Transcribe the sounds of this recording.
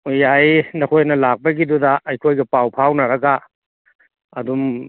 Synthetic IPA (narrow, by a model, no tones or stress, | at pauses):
ojajnɐkʰojnɐlak̚pɐɡidudɐʔɐjkʰojɡɐpawpʰawnɐɾɐɡa | ɐdum